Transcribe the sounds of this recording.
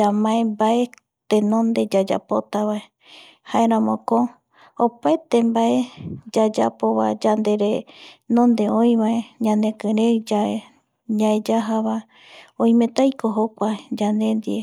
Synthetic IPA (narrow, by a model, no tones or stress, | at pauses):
d͡ʒamãembae̞ | t̪enõ̞nd̪e̞d͡ʒad͡ʒa̰po̞t̪aβae | haeɾ̃ãmõko | opaet̪e̞mbaed͡ʒad͡ʒa̰po̞βa̰d͡ʒand̪e̞ɾenõnd̪e̞õj̃βaeɲãnd̪ẽ̞kɨ̃ɾed͡ʒae | ɲãed͡ʒaɦaβa | õĩmẽ̞t̪ajkoɦokʷad͡ʒand̪e̞nd̪ie